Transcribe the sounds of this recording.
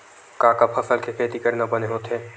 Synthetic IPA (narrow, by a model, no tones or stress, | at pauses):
kãːkapʰɐsəlkekʰeːt̪ikɐɾnabɐneɦoːt̪ɦɛː